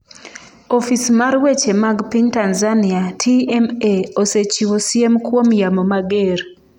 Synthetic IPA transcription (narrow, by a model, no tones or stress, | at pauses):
ofismaɾwet͡ʃemaɡpiɲtanzaniatʰiɛmeoset͡ʃiwosiemkwomjamomaɡeɾ